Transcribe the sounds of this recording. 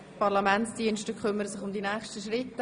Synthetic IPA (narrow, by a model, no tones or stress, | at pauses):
pɑɾlɑmɛntsd̥iənʃtəkʰχʏmːəɾəsɪχʊmd̪inɛːχʃtəʃɾɪtː